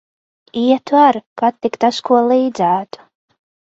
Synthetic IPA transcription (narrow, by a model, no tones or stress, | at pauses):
iɛt̪vaɾkat̪ːikt̪askuɔlˠiːd̪zæːt̪u̥